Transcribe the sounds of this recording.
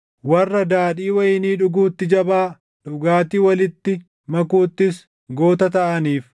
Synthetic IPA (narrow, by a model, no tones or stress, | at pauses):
wɐrːɐd̪aːᶑiːwɐjɪniːᶑʊɡuːt̪ːɪd͡ʒɐbaː | ᶑʊɡaːt̪iːwɐlɪt̪ːɪ | mɐkuːt̪ːɪs | ɡoːt̪ɐt̪ɐʔɐniːf